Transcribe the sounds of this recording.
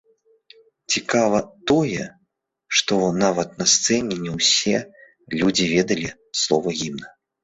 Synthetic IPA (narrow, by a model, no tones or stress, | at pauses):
t͡sʲikavɐt̪ɔjɛ | ʂt̪ɔnavɐt̪̚nɐst̪sɛnʲɛnʲɛwsʲɛ | lʲud͡zʲivʲɛd̪ɐlʲi | slˠɔvɐɣʲimnɐ